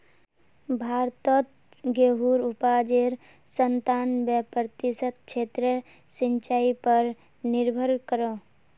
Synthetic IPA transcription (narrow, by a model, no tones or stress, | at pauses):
bʱaːɾt̪ət̪ | ɡeɦuɾupad͡ʒeɾ | sənt̪aːnbəpɾət̪isət̪̚kt͡ʃʰeːt̪ɾə | sĩnt͡ʃaːipəɾ | nɪɾbʱəɾkəɾo